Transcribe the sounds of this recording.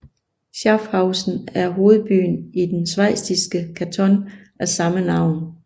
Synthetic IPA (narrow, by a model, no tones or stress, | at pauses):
ɕɑ̈fhɑ̈ʊsn̩æɐɦo̝ːð̞̩ˠb̥y̰ːnid̥ensʋɑɪ̰sd̥isɡ̥əkʰæt͡sʰɒ̽n | æsɑ̈mənɑ̈ʊ̰n